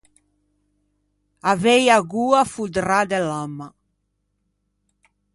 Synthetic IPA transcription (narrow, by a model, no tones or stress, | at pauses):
avejaɡuːafud̪ɾad̪ɛlamːa